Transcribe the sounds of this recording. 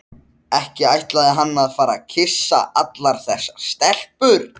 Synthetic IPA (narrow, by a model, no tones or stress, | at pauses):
ɛhcɪajht̪laðɪɦanːaðfaːɾacʰɪsːa̰ʔat̪laɾ̥θɛsːḁst̪ɛl̥pʏɾ